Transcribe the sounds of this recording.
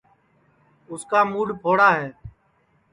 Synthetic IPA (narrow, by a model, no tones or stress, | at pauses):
ʊskaːmuːɽpʰoːɽaːɦɛː